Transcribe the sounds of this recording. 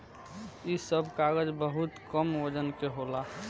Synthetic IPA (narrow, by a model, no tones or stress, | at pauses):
isəbʱkaɡəd͡ʒbəɦut̪kəməd͡ʒənkeɦolaɦ